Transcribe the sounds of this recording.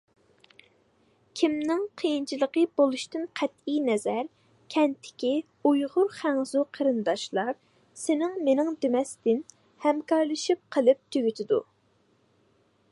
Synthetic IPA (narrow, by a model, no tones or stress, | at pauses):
kʲʰimnɪŋqʰəjint͡ʃʰilˠəqəbolˠuʃt̪ɪnqʰɛt̪ijnɛzæɾ | kʲʰɛnt̪ʰːɪ̥kʲi | ujʁʊɾχæŋzuqʰəɾɨnd̪ɑʃlˠɑɾ | sɪnɪŋmenɪŋd̪emɛst̪ɪn | hɛmkʰɑɾlˠɨʃip̚qʰəlˠɨp̚t̪ʰyɡʲyt̪ʰɪd̪ṵ